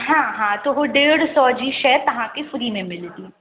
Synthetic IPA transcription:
ɦãːɦãːt̪oɦoɖeːɽsɔːd͡ʒiːʃɛɦɾt̪ɐɦãkefʊɾimẽmɪld̪iː

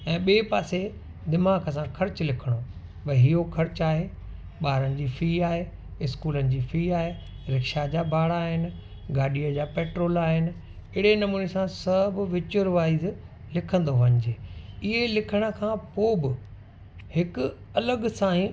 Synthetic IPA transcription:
ɛ̃ːɓeːpaːse | d̪ɪmaːkəs̬ãkʰɐɾt͡ɕlɪkʰəɽ̃oːʋɐɦiokʰɐɾt͡ɕaːɦeː | ɓaːɾənɪ̆d͡ʑiːfiːaːɦeː | ɪskuːlənɪ̆d͡ʑiːfiːaːɦeː | ɾɪkʃad͡ʑaːbʱaːɽaːɦɪnɪ̆ | ɡaːɗijəd͡ʑaːpeːʈɾoːlaːɦɪnɪ̆ | ɪɽenɐmuːnesãsɐbɪʋɪt͡ɕʊɾʋaːizɪ | lɪkʰə̃nd̪oʋɐ̃ɲɪd͡ʑeːɪɦelɪkʰəɽ̃ə̆kʰãːpoːbɪ | hɪkʊ | ɐləɡsãːĩ

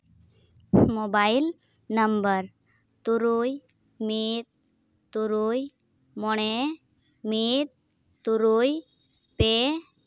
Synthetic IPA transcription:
mobail | nəmbəɾ | t̪uɾuj | mit̪̚ | t̪ːuɾuj | mɔɳ̃e | mit̪̚ | t̪uɾuj | pe

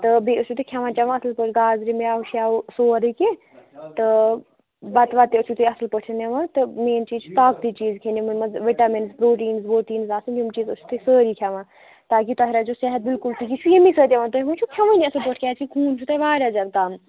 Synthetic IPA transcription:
t̪ɨbeut͡ʃʰut̪ikʰɐʋãːt͡ʃɐʋãːɐslpəʈʰɡaːzɾimjaːɦuʃaːsoːɾike | t̪ɨ | bɐt̪ʋaːt̪eʊt͡ʃʰut̪ujɐsəlpəʈʰɐneʋãːt̪ɨmeːnt͡ʃiːt͡ʃʰu̥t̪aːk̚d̪iːt͡ʃiːzkʰenimunmɐzʋiʈaːmenzpɾoːʈiːnzboːʈiːnzaːsɨnjumt͡ʃiːzut͡ʃʰu̥t̪usəːɾikʰjaʋãː | t̪aːk̬it̪ɔɦɾaːd͡ʒoːsɛɦət̪̚bɪlkʊlʈ̪ʰikit͡ʃʰujemisəːt̪ʲjeʋãːnt̪umunt͡ʃʰukʰɐʋaniɐslpəʈʰkʰʲaːt͡ʃʰikʰuːnt͡ʃʰut̪ɐʋaːɾʲaːd͡ʒat̪kam

